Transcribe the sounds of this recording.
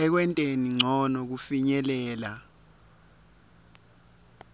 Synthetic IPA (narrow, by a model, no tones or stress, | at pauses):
ɛk̬wɛntʼeniŋ͡ǀʱɔnɔk̬ufiɲɛlɛːla